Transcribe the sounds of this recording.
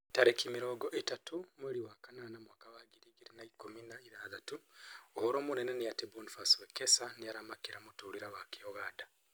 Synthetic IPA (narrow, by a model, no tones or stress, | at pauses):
taɾekimiɾoːɡɔʔetatumweɾiwakananamwaːkawaɡiɾiɡiɾinaikominaiðaːðatuohɔɾoːmunɛnɛnijatebunfaswekesanijaɾamakiɾamutuɾiɾawakijɔɣaːda